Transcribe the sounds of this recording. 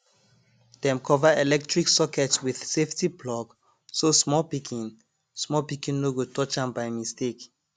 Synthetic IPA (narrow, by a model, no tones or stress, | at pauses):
d̥ɛ̃mkʰɔvaelɛk̚tɹiksɔkʰɛtswið̥seftiplɔɡ | sosmɔlpikʰĩn | smɔlpikĩnːoɡotʰɔt͡ʃãmbaɪmistek